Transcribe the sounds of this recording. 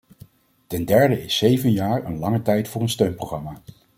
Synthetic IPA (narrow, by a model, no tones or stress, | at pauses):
tɛndɛɹdəɪsejvənjaːɹə̰nlɑŋətɛjtfʊːɹənstøɥnprowχrɑmaː